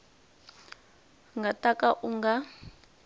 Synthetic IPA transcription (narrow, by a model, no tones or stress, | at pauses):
ŋɡʱatakʼaʔuŋɡa